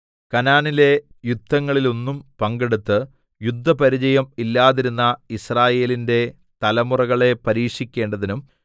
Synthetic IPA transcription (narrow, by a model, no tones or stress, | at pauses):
kɐnaːnile̞ | jud̪ʱːɐŋːɐɭilo̞nːumpɐŋɡeɽut̪ːɨ | jud̪ʱːɐpɐɾid͡ʑɐjɐmilːaːðiɾunːɐisraːje̞ːlinde̞ | t̪ɐlɐmurɐɣɐɭe̞pɐɾiːʂikʲːe̞ːɳɖɐðinum